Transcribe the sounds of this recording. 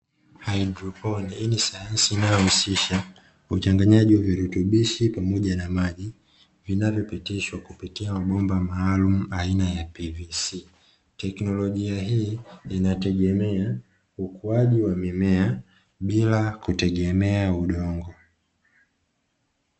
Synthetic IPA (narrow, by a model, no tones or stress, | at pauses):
hajdɾɔpɔninisajansiːnajɔhusiʃa | ut͡ʃaŋɡaɲaʄiwaviɾutuɓiʃipamɔʄanamaʄi | vinavjɔpitiʃwakupitiamaɓɔmbamaːlum̩ainajapivisi | tɛknɔlɔʄiaɦiːinatɛɡɛmɛa | ukuaʄiwamimɛa | ɓilakutɛɡɛmɛauɗɔŋɡɔ